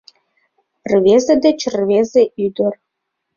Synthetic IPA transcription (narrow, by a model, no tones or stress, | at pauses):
rvʲezĕd̪ĕt͡ɕrvʲezeʔyd̪ɘ̆r